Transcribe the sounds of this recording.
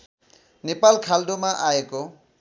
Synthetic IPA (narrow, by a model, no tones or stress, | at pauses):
nepalkʰaldomaʔaeko